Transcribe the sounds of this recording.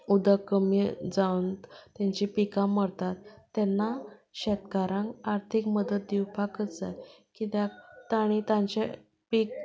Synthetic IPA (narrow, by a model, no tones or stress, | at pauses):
ud̪əkəmid͡zawnt̪t̪jãɲt͡ɕipikãməɽt̪at̪ːɛnːaɕɛt̪kaɾãŋkaɾt̪ʰikməd̪ət̪̚d̪iwfakət̪d͡za̰jkit̪jat̪aɽ̃it̪ãɲt͡ɕe | pik̚